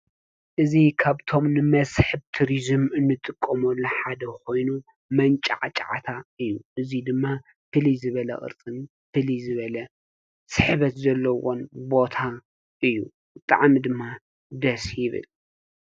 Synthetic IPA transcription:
ʔɨzikʰaβt̪ʰo̞mnɨmɐsħɨbt̪ʰuɾizɨmɨnːɨt̪ʼɨkʼːɐmolːɐħad̪ɐko̞jnu | mɐnt͡ʃʼa̰ʕt͡ʃʼaʕa̰t̪ʰaɨjːuʔɨzid̪ɨmːa | fɨlizɨβɐlɐ̰ʔʼɨ̰ɾt͡sʼɨn | fɨlizɨβɐlɐ | sɨħβɐt̪zɐlːɐwo̞nbo̞t̪ʰa | ʔɨjːṵ | bɨt̪ʼa̰ʕmid̪ɨmːa | d̪ɐsjɪβɨ̰l

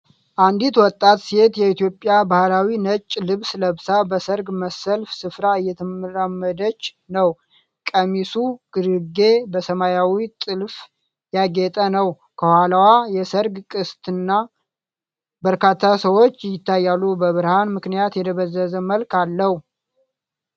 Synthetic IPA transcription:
ʔand̪it̪wɔt̪ʼːat̪set̪jɛit̪ʰjo̞pʼːjabahlawinət͡ʃʼːlɨβsləβsabəsəɾɡməsːəlfsɨfɾaɨjːɛt̪ʰɨmɨɾamːəd̪ət͡ʃː | nəw | kʼəmisuɡ̥ɨɾɨɡe̞bəsəmajawit̪ʼɨlf | jaɡet̪ʼənəw | kʰəhʷwalawajɛsəɾɡkʼɨst̪ʰɨnːa | bəɾkʰat̪ʰːasəwo̞t͡ʃːjɪt̪ːajːalːubəβɨɾhanmɨknijat̪jɛt̪ʰəβəzːəzəməlkalːəhu

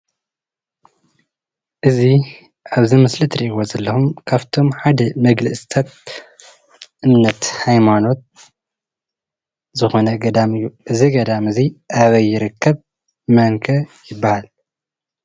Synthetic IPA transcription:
ʔɨzi | ʔaβzimɨslit̪ʰɾiʔwozɐlːɐxumkʰaβt̪ʰo̞mħad̪ɐmɐɡlɨʔst̪ʰat̪̚ | ʔɨmnɐt̪hajmano̞t̪̚ | zɨxo̞nɐɡɐd̪amɨjːuʔɨziɡɐd̪amɨziʔaβɐjːɪɾɨkʰːɐβ | mɐŋkʰɐjɪbːahal

